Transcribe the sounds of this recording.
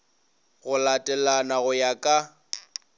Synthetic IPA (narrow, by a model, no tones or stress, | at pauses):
ɣʊlatʼɛlanaɣʊjakʼa